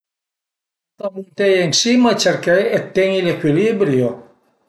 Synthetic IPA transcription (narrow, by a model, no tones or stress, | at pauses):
t̪amunt̪ejensimat͡ʃeɾkejet̪ːeŋilekwilibɾjo